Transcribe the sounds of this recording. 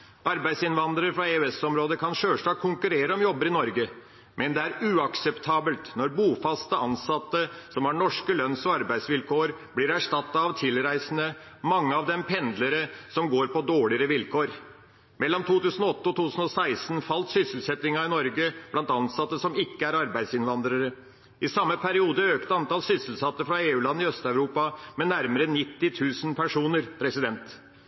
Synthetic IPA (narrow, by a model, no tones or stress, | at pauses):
ʔɑɾbæɪsɪnʋɑnd̪ɾəɾfɾɑeʉɛsɔmɾoːd̪əkʰɑnʂøːʂʈɑːɡ̚kʰːʊŋkʉɾeːɾəɔmjɔbːəɾɪnɔɾɡə | mʔɛnd̪ɛæɾʉːɑksɛpt̪ʰɑːbəlt̪nɔɾbuːfɑst̪əɑnsɑt̪ːəsɔmhɑɳɔʂkəlœnsɔɑɾbæɪd̪sʋɪlkʰoːəɾblɪɾæʂʈɑt̪ːɑɑʋt̪ʰɪlɾæɪsənə | mɑŋːəɑʋd̪ɛmpʰɛnd̪ləɾəsɔmɡoːɾpɔd̪oːɭɪəɾəʋɪlkʰoːɾ | mɛlːɔmt̪ʰuːt̪ʉːsən̩ɔɔt̪ːəɔt̪ʰuːt̪ʉːsən̩ɔsæɪsnfɑlt̪sʏsəlsɛt̪ɪŋɑɪnɔɾɡəb̥lɑnt̪ɑnsɑt̪ːəsɔmɪkːəæɾɑɾbæɪd̪sɪnʋɑnd̪ɾəɾə | ɪsɑmːəpʰæɾɪuːd̪əøːkt̪əɑnt̪ɑlsʏsəlsɑt̪ːəfɾɑeːʉːlɑnːɪœst̪œʉɾuːpɑmɛnæɾməɾənɪt̪ːɪt̪ʰʉːsənpʰæʂuːnəɾpʰɾɛsɪd̪ɛnt̪